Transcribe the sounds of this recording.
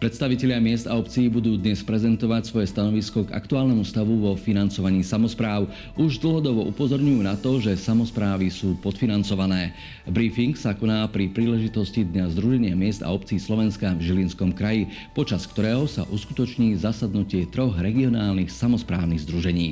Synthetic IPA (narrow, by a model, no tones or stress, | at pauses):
pɾɛt̪st̪aʋicɛʎɪamɪɛzd̪aɔp̚t͡siibud̪uːd̪ɲɛspɾɛzɛnt̪ɔʋacsʋɔjɛst̪anɔʋiskɔɡa̰kt̪uaːlnɛmust̪aʋuʋɔfinant͡sɔʋaɲiːsamɔspɾaːʊ | ʔuʒd̪l̩ˠɦɔd̪ɔʋɔʔupɔzɔɾɲujuːnat̪ɔʒɛsamɔspɾaːʋisuːpɔt̪finant͡sɔʋanɛː | bɾifiŋksakɔnaːpɾipɾiːlɛʒit̪ɔscid̪ɲazd̪ɾuʒɛɲɪamɪɛzd̪a̰ɔp̚t͡siiːslɔʋɛnskavʒilinskɔmkɾaji | pɔt͡ʃaskt̪ɔɾɛːɦɔsa̰ʔuskut̪ɔt͡ʃɲiːzasad̪nucɪɛt̪ɾɔɣɾɛɡiɔnaːlnixsamɔspɾa̰ːʊniɣzd̪ɾuʒɛɲiː